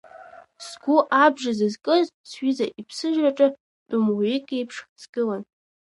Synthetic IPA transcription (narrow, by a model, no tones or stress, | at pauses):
sɡʷuʔabʐazazkʼɨzsʰɥizaʔipʰsɨʒᶣraʈ͡ʂʼa | tʼumwekʼejpʰʂχt͡sʰɡ̥ɨlan